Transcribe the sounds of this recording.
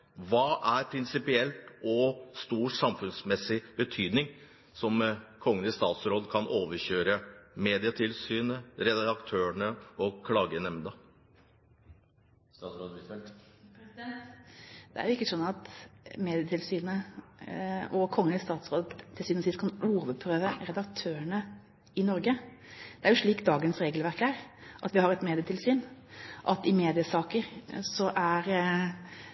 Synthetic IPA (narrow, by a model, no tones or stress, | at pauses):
ʋɑːʔæɾpʰɾɪnsɪpɪɛlt̪ɔst̪uːsɑmfʉnsmɛsːɪbət̪ʰyːd̪nɪŋ | sɔmkʰɔŋːənɪst̪ɑːt̪sɾoːd̪kʰɑnoːʋəɕøːɾəmeːd̪ɪət̪ʰɪlsyːnəɾɛd̪d̪ɑkt̪ʰøːəɳəɔkʰlɑːɡənɛmd̪ə | sod̪ | d̪̥ɛæ̰ɾjʊɪkːəsɔnːɑt̪meːd̪ɪət̪ʰɪlsyːnə | ʔɔkʰɔŋːənɪst̪ɑːt̪sɾoːd̪ʰːɪlsyːnəsɪst̪kʰɑnuːɾʊʋəd̪̚pʰɾøːʋəɾɛd̪ɑkt̪ʰøːəɳə | ɪnɔɾɡə | d̪̥ɛæɾjʊʂɭiːkd̪ɑːɡənsɾeːɡəlʋæɾkæɾʔɑt̪ʋɪhɑɾɛt̪meːd̪ɪət̪ʰɪlsyːnʔɑt̪ɪmeːd̪ɪəsɑːkəɾsɔʔæɾ